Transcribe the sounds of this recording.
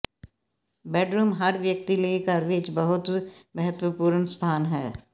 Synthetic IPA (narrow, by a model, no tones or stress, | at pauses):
bɛːɖɾuːmɦɐɾʋjək̚t̪ileikaɾʋeːt͡ʃbɐɦʊt̪mɐɦət̪wəpuːɾənst̪ʰaːnɦɛː